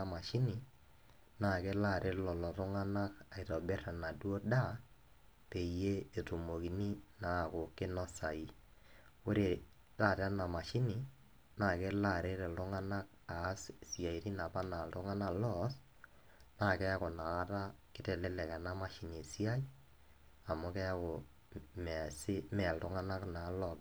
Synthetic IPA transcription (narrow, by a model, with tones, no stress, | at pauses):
a˨ma˨ʃi˦ni˨ | na˦˨kɛ˦la˦˨ɾʔe˦ɾlɔ˨lɔ˨tʊ˦ŋa˦na˦ka˨i˨tɔ˨bɛ˦ra˨na˨du˦o˦da˦ | pe˨jeː˦˨tu˨mo˨ki˨ni˦na˦˨kʊ˨kɪ˦nɔ˦sa˨i˦ | kʊ˦ɾe˨ | ta˦˨ɾa˦na˨ma˨ʃi˦ni˨ | na˦˨ke˦la˨ɾe˦ɾɛ˨lʊ˦ŋa˦na˦k̚ | a˨˦ssi˨a˨i˨ɾi˦na˨pa˦na˨ltʊ˦ŋa˦na˦lɔ˦s | na˦˨kɛ˦a˦ko˨na˨ka˦ta˦kɪ˦tɛ˨lɛ˦lɛ˨ka˨na˦ma˦ʃi˨ni˨si˦a˦i˦ | a˨mʊ˦kɛ˦a˦ko˨ | msɪ˦mɛ˨ltʊ˦ŋa˦na˦kna˨˦lɔ˨b